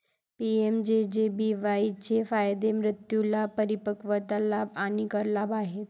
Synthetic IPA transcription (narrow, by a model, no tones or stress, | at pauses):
piemd͡ʑed͡ʑebiʋait͡ɕefajd̪emɾɪt̪julapəɾipəkʋət̪alabaɽ̃ikəɾlabaɦet̪